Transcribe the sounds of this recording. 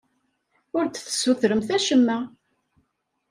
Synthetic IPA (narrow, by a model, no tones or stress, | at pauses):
ʊɾt͡sθə̥sːuθɾəmθæʃəmːæ